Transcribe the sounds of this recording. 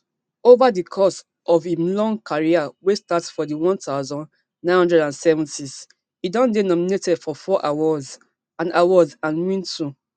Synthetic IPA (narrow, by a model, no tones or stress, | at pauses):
ovadikʰɔs | ɔvimlɔ̃ŋkʰaɹiawestatsfɔdiwɔ̃ntaʊzɔ̃n | nãɪ̃nhɔ̃ndɹɛdãnsɛvɔ̃ntis | idɔ̃ndenɔminetɛdfɔfɔʔawaz | ãnawɔzãnwĩntʰu